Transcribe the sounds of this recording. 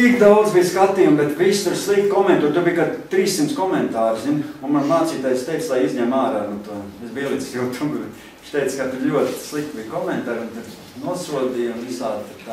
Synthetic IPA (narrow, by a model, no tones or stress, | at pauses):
ikd̪aʊd̪zbijskat̪iːjumbɛt̪ʋiːst̪uɾslˠik̚t̪kɔmẽnt̪uːɾt̪uɾbiːjkad̪t̪ɾiːsːimt̪skɔmɛnt̪aːɾzinunmanmaːt̪siːt̪aːjst̪ɛɪslˠajizʲɲɛmaːɾaːnut̪uɔesbiɛlˠit̪ssult̪ʰumɡbt̪ | ʃt̪ɛɪt̪skat̪ʊɾlʲuɔt̪slˠikt̪̚biːjkɔmɛnt̪aːɾunt̪uɾ | nuɔsuɔd̪iːjunʋisaːd̪t̪t̪aː